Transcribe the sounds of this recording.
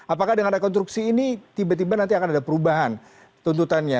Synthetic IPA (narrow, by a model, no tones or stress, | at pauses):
apakahdəŋanrekɔnst̪ɾuksiːnit̪ibat̪ibanant̪iakanadapəɾubaɦan | t̪unt̪ut̪anɲa